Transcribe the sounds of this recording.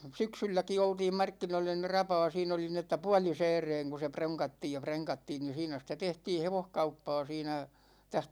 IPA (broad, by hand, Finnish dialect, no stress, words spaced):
syksylːæki oltiːm mɑrkːinoilːɑ ni rɑpɑː siːn oli ni etːæ puɒlisɛːreːŋ ku proŋkɑtːiːj jɑ preŋkɑtːiːn ni siːnæ sitæ tehtiː heʋohkɑupːɑː siːnæ tæh